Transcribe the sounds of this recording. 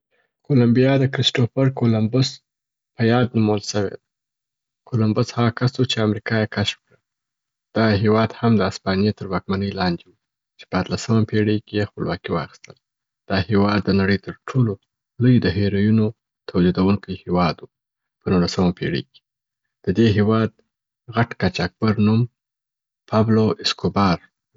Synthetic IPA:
kolambijɑd̪əkɾɪsʈofəɾkolambʊs | pəjɑd̪̚numawəlʃəwḛd̪a | kʰolambʊshaɣakasut͡ʃeamɾikɑjekaʃfkɽə | d̪̥ɑɦewɑd̪hamd̪əaspɑnijet̪əɾwɑk̚manəjlɑnd͡ʒewu | t͡ʃe̥pəat̪lasəmapʰeɽəjkejexpəlwɑkiwɑ̰xi̥st̪əl | d̪̥ɑhewɑd̪ːənaɽəjt̪əɾʈʰolo | lojd̪əɦeɾojuno | t̪ʰawd͡ʒid̪awuŋkəjhewɑd̪wu | pənulasəmapʰḛɽə̰jke̥ | d̪̥əd̪eɦewɑd̪̚ | ɣaʈkat͡ʃak̚b̥aɾnum | pʰɑbloʔɪskobɑɾ

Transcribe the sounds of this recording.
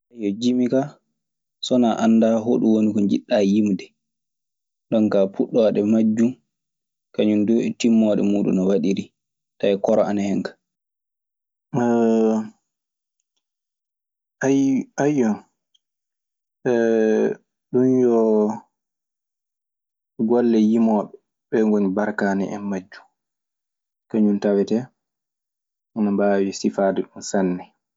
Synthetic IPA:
ʔajɔd͡ʒimika | sɔnaʔanːdaɦoɗuwonikɔɲd͡ʒiɗːajimdɛ | ɗɔnkapuɗːɔaɗɛmad͡ʒːum | kaɲunduɛtimːɔɗɛ̰muɗṵnɔwaɗiɾi | taɛkɔɾɔanahɛŋkḁ | ajajːɔn | ɛ | ɗunjɔ | ɡɔlːɛjimɔːɓɛ | ɓɛŋɡoɲbaɾkaːnɛ̰ʔɛ̰mːad͡ʒːu̥ | kaɲuntawɛtɛ | ɔnambawisifaːdɛɗunsanːɛ

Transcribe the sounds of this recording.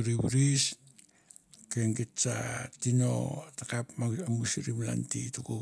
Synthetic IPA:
ɾiβuɾis | keŋɡitt͡ʃa̰tino̞̰takapmaamusiɾimla̰ntituku

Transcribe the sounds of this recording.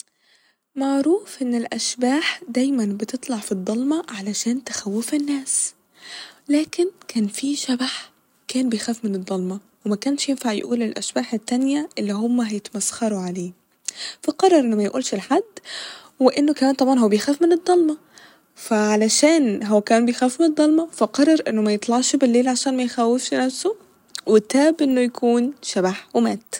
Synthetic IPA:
maʕɾuːfʔɪnːelʔæʃbaːħd̪æjmænbɪt̪ɨt̪ˤlɑʕfid̪ˤːɑlmɑʕalæʃæːnt̪ɪ̥xæwːɪfɪnːæːs | læːkɪnkæːnfiʃæbaħ | kæːnbejxæːfmɪnɨd̪ˤːɑlmɑ | wemækæːnʃjenfaʕj̰ʔuːlelʔæ̰ʃbaːħet̪ːænjæʔelːihomːæɦæjet̪mæsxɑɾˤuʕaleː | fæqɑrˤːɑɾˤʔenːomæjʔuːlʃelħad̪ː | weʔenːokæmæːnt̪ˤɑbʕɑnɦowːæbejxæːfmened̪ˤːɑlmɑ | fæʕalæʃæːnɦowːækːnbejxæːfmened̪ˤːɑlmɑfæqɑrˤːɑɾˤʔenːomæjet̪ˤlɑʕʃbelːeːlʕaʃæːnmæjxæwefʃnæfso | wet̪æːbʔenːojækʰuːnʃæbaħwemæːt̪

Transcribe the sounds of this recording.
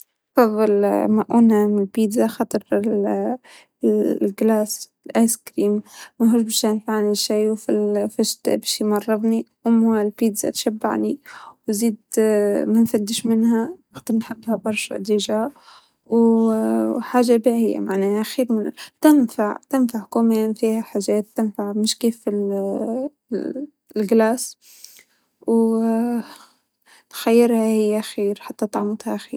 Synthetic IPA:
fɑðˤːɨlmaʔunamɪlpiːd̪zaxɑt̪ˤɾ | lɡlaːs | lʔajskɾiːmmæɦɾʊʒbæʃanfaʕniʃijwfilfɪʃt̪biʃjmɑrˤːɑbniwʊmlpiːd̪z̥a̰t̪ʃabːa̰ʕniwziːd̪mænfæd̪ːɪʃmɪnhæxt̪ɨɾnħɪbːhabɑɾˤʃʔd̪iʒa | w | ħaːʒːabiʕɪjːa̰maʕnɛːhaʔxiːɾmɪnt̪ɪnfaʕt̪ɪnfaʕkomeːnfiːhaħaʒeːt̪ːɪnfaʕmɪʃkeːfɪl | lɡlaːs | w | t̪xajːɪɾhahɪjːʔaxiːɾħat̪ːat̪ˤʕmʊt̪haʔxḭːɾ

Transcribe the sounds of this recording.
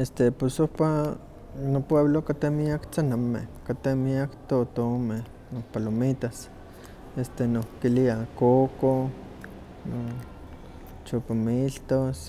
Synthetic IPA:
est̪eposohpa | nopweβlokat̪emiakt͡sanamḛhkat̪emiakt̪ot̪ome | nopalomit̪as | est̪enokkːiliakoko | no | t͡ʃopamilt̪os

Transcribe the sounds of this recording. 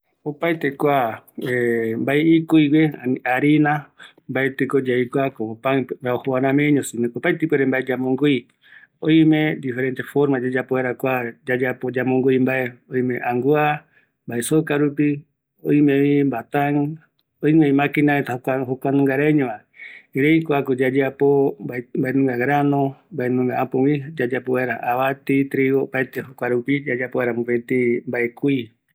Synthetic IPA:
opait̪ekʷaembaeikuiweaɾinã | mbaet̪ɨkod͡ʒaikwakoopaɾaohoanãmeɲõsimẽkopajt̪ipʷweɾembaed͡ʒamõŋɡui | oimẽd̪ifeɾent̪efoɾmad͡ʒad͡ʒapoeɾakʷad͡ʒad͡ʒapod͡ʒamõŋɡuimbaeoimẽʔaŋɡua | mbaesokaɾupi | oĩmeimbat̪ãŋ | oieimãkinaet̪aaɦokʷanũŋɡaɾaeɲõa | iɾejkʷakod͡ʒad͡ʒapoambaenũŋɡaɡɾanõmbaenũŋɡaapõwid͡ʒad͡ʒapoeɾaʔaβat̪it̪ɾiɣopaet̪ehokʷaɾupid͡ʒad͡ʒapoeɾamũpet̪imbaekui

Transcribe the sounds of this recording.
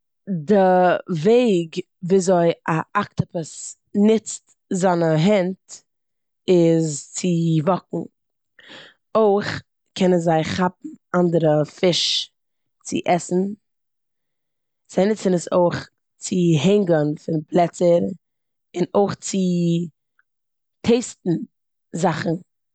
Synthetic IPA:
dɪveɪɡ | viːzoɪaʔak̚təpəs | nɪt͡st | zanəɦɛnt | ɪzt͡sɪvɔkŋ̩ | oɪχ | kʰɛnənzaɪχap̚m̩andəɾəfɪʃ | t͡sɪ̰ʔɛsn̩ | z̥aɪnɪt͡sənəso̰ɪχ | t͡sɪɦɛɪŋɡənfɪnpʰlˠɛt͡səɾ | ɪnoɪχt͡sɪ | tʰeɪstn̩ | zaχn̩

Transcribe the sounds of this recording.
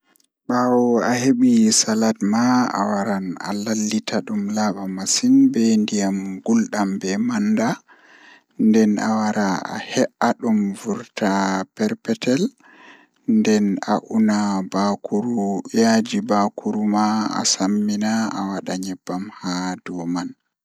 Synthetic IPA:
ɓawɔaheɓisaladmaa̰waɾana̰lalːitʰaɗumlaɓamasinbɛndijamɡulɗambɛmanːda | ndɛna̰waɾaa̰hɛʔaɗumvuɾtʰapɛɾpɛtɛl | ndɛna̰ʔunabakuɾujad͡ʒibakuɾumaa̰samːinaa̰waɗaɲɛbːamhadɔman

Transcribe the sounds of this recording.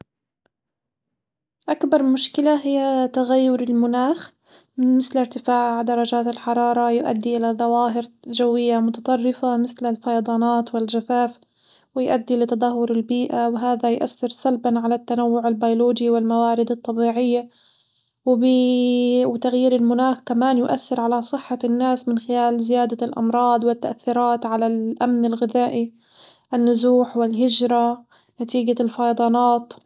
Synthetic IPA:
ʔakbɑɾˤmʊʃkɪlaɦɪjːat̪aɣajːʊɾɪlmʊnaːx | mɪθlɪɾt̪ɪfaːʕʕd̪ɑɾˤɑd͡ʒaːt̪ɪlħɑɾˤɑːɾˤɑjʔa̰d̪ːiʔɪlaðˤɑwaːɦɪɾ | ʒawːɪjːamʊt̪ɑt̪ˤɑrˤːɪfamɪθlɪlfɑjɑd̪ˤɑːnɑːt̪wɪlʒafaːf | wɪjʔad̪ːilɪt̪ɑd̪ˤɑɦːʊɾɪlbiːʔawɦaːðajʔa̰θːɪɾsalbanʕalat̪ːanawːʊʕɪlbajloːd͡ʒiwɪlmawaːɾɪd̪ɑt̪ˤːɑbiːʕɪjːa | wɪbi | wɪt̪aɣjiːɾɪlmʊnaːxkamaːnjʊʔaθːɪɾʕalasˤɨħːanːaːsmɪnxɪlaːlzɪjaːd̪alʔɑ̰mɾˤɑːd̪ˤwɪt̪ːaʔaθːiɾˤɑːt̪ʕalalʔamnɪlɣɪðaːʔi | ʔɪnːʊzuːħwɪlɦɪd͡ʒɾˤɑ | nat̪iːɡalfɑjd̪ˤɑːnɑːt̪

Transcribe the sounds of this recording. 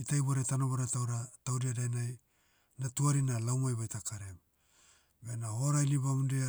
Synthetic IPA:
itajβoɾetanoβoɾatawɾatawdiadajnaj | natuaɾinalawmajβajtakaɾem | be̞naho̞ɾajliβamudea

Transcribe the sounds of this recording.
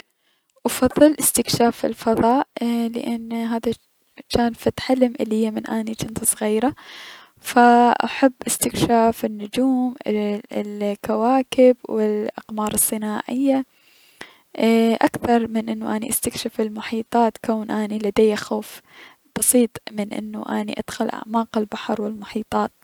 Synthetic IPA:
ʔɑfɑðˤːɨlʔɪst̪ɪkʃaːfɪ̰lfɑðˤɑːʔlɪ̰ʔanːɦaːða | t͡ʃaːnfat̪ħalːɪmʔɪlːihijːamɪnʔaːnit͡ʃɪnt̪sˤɣiːɾa | faʔa̰ħabːʔɪst̪ɪkʃaːfɪnːʊd͡ʒuːm | lkawaːkɪbwɪlʔɑ̰qmɑːɾˤɨsˤːɨnaːʕɪjːa | ʔakθɑɾˤmɪnʔɪnːuʔaniʔast̪akʃafɪlmʊħiːt̪ˤɑːt̪kaːnʔaːnilad̪eːjːaxoːf | b̥ɑsˤiːt̪ˤmɪnʔɪ̰nːṵʔanḭʔa̰d̪̥xʊlʔa̰ʕmaːqɪlbaħɾˤwɪlmʊħiːt̪ˤɑːt̪̚

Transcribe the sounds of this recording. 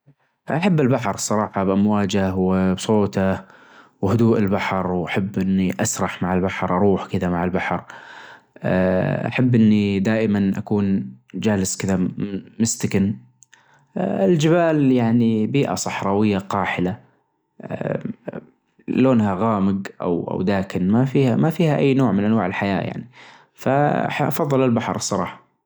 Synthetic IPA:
ʔaħabːɪlbaħɾˤsˤɑɾˤɑːħɑbʔamwaːd͡ʒawbsˤoːt̪a | whʊd̪uːʔɪlbaħɾˤwʔaħabːʔɪnːiʔasɾˤɑħmaʕɪlbaħɾˤʔɑɾˤuːħkɪd̪amaʕɪlbaħɾˤ | ʔa̰ħabːʔɪnːid̪aːʔɪmanʔa̰kuːnd͡ʒaːlɪskɪd̪amɪmɪst̪ɪkɪn | ɪld͡ʒɪbaːljaʕnibiːʔa̰sˤɑħɾˤɑwɪjːaqɑːħɪla | loːnhaɣaːmɪɡʔa̰wʔa̰wd̪aːkɪnmafiːhamafiːhaʔajːnoːʕmɪnʔanwaːʕɪlħaja̰ːja̰ʕni | faʔɑ̰fɑðˤːɨlɪlbaħɾˤsˤɑɾˤɑːħɑ̥

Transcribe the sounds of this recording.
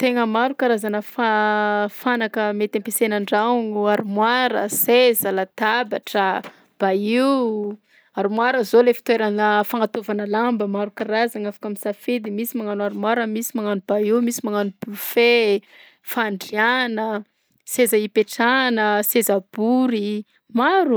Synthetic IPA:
t̪eŋəmaɾukaɾazanəfafanakəmet̪empesenaɳɖ͡ʐauɲuaɾumwaɾə̰sezəlat̪abaʈ͡ʂə | b̥aiw | aɾumwaɾəzolefi̥t̪weɾanəfaŋat̪ovanəlambəmaɾukaɾazaŋafḁkamisafed̪imisimaŋanuaɾumwaɾəmisimaŋanub̥aiwmisimaŋanub̥ufe | faɳɖ͡ʐianə | sezəipeʈ͡ʂanəsezab̥uɾi | maɾu

